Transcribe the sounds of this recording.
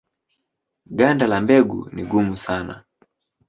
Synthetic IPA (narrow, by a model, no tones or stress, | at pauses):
ɡandalambɛɡṵniɡumusana̰